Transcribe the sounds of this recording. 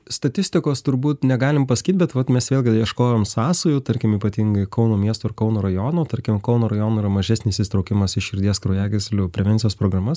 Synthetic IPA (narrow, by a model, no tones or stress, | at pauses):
st̪ɐt̪ʲɪsʲt̪ʲɪkoːst̪ʊɾbuːt̪nʲɛɡɑːlʲɪmpɐsɐ̥kʲiːt̪̚ʲbʲɛt̪ʋɐt̪mʲɛsʋʲeːlʲˠɡʲɪd̪jiɛʃkoːjoːmsɑːsʊjʊt̪ɐɾʲkʲɪmiːpɐt̪ʲiŋɡɐɪkɒʊnoːmʲiɛst̪oːɪɾkɒʊnoːɾɐjoːnoːt̪ɐɾʲkʲɪmkɐʊnoːɾɐjoːnoːiːɾɐmɐʒʲæsʲnʲɪsist̪ɾɐʊkʲɪmɐsɪʃʲɪɾʲd̪ʲiɛskɾɐʊjæːɡʲɪsʲlʲʊpʲɾʲɛʋʲɛnʲt͡s̪ʲɪjoːspɾoːɡrɐmɐs